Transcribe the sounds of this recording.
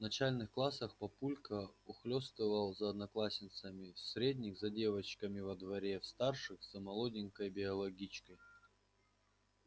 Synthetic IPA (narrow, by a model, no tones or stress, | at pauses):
vnɐt͡ɕalʲnɨxklˠasəxpɐpulʲkəʊxlʲost̪ɨvəlˠzɐːd̪nɐklˠasʲnʲɪt̪səmʲɪsɾʲedʲnʲɪxzɐdʲe̞vət͡ɕkəmʲɪvɐd̪vɐɾʲe̞fst̪arʂɨxzɐmɐlˠodʲɪnʲkəjbʲɪɐlˠɐɡʲit͡ɕkəj